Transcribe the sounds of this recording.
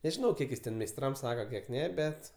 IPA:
nʲɛʒʲɪˈnɐʊ ˈkʲiɛk jɪs ˈtʲɛn mʲɛɪsˈtrɐm ˈsɑːkɐ ˈkʲiɛk ˈnʲɛ ˈbʲɛt

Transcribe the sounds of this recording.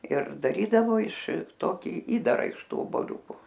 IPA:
ɪr dɐˈrʲiːdɐʋoː ɪʃ ˈtoːkʲɪ ˈiːdɐrɐ ɪʃ ˈtuː oːboːˈlʲuːkʊ

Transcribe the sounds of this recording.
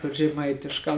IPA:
kʊr ʒʲɛˈmɐɪtʲɪʃkɑː

